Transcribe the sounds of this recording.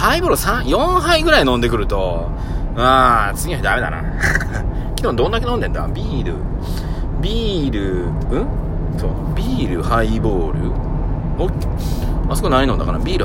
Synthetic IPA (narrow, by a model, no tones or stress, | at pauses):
haiboːɾɯ̟sãɰ̃jõ̞ɰ̃ɦaiɡɯ̟ɾainõ̞nd̪e̞k̬ɯ̟ɾɯ̟t̪o̞ | at͡sɨɡʲioçid̪ame̞d̪a̰na̰ | kʲinːod̪õ̞nd̪ake̞nõ̞nd̪ẽ̞nd̪a̰bʲiːɾɯ̟̰ | bʲiːɾɯ̟ɯ̟̃ | so̰ː | bʲiːɾɯhaiboːɾɯ̟ | o | asokɯnainod̪a̰kaɾa̰bʲiːɾɯ̟